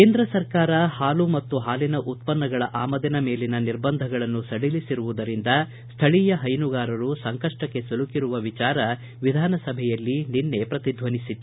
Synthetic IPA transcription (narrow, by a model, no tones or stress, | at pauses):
kke̞ːnd̪ɾɐsɐɾkaːɾɐhaːlumɐt̪ːuɦaːlinɐʔut̪̚pɐnːɐɡɐɭɐʔaːmɐd̪ɐnɐmeːlinɐniɾbɐnd̪ʱɐɡɐɭɐnːusɐɽilisiɾuʋud̪ɐɾind̪ɐ | st̪ʰɐɭijɐɦɐjnuɡaːɾɐɾusɐŋkɐʂʈɐkːe̞sɐlukiɾuʋɐʋit͡ʃaːɾɐ | ʋid̪ʱaːnɐsɐbʱɛjɐlːininːe̞pɾɐt̪id̪ʱʋɐnisit̪ːu